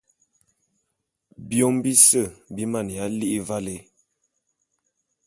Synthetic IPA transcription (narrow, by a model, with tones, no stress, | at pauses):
bjo˦mbi˦sə˦˨bi˦ma˦˨n˨a˨˦li˦ʔva˦le˨˦